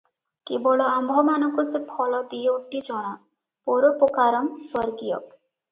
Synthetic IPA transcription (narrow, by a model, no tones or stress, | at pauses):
kebɔɭɔambʱɔmanɔŋkusepʰɔlɔd̪ijɔuʈːid͡ʒɔɽ̃a | poɾopokaɾɔmswɔɾɡijɔ̰